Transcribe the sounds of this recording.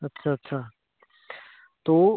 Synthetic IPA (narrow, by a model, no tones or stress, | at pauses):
ɐtːɕʰaːɐtːɕʰaː | t̪oː